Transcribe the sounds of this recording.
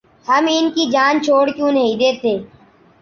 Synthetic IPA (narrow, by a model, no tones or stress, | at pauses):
həmɪnkid͡ʒaːnt͡ʃʰoːɽkjũːnəɦĩːd̪eːt̪ʰeː